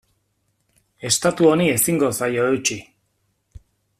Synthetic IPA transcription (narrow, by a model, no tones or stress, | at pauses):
e̞st̪at̪uo̞nie̞siŋɡo̞sajo̞ewt͡ʃi